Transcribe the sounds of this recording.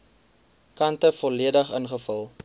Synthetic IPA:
kɐntəfɔliədəχənχəfəlˠ

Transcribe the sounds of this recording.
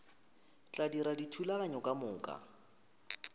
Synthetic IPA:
t͡ɬʼadiɾaditʰulaaɲɔkʼamʊːkʼa̰

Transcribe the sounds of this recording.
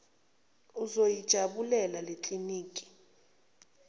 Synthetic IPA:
uzojid̥ʒ̥ʱaɓulɛlalet͡ɬʼiniːkʼi̥

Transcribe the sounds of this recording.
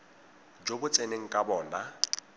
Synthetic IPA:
d͡ʒobʊt͡sʼeneŋ̩kʼabɔːna

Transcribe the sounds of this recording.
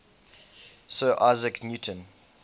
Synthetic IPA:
soːʔaɪzəknjuːˑtʰə̃n

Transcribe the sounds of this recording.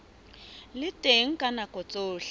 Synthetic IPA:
lɪtʼeŋ̩kʼanakʼɔt͡sʼoːɬa

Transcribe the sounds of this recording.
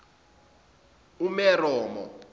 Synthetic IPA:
umɛrɔːmɔ̰

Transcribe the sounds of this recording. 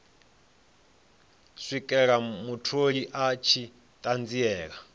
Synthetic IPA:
sʷikʼɛɺamutʰoɺiʔat͡ʃʰi | tʼand͡ziɛːɺa

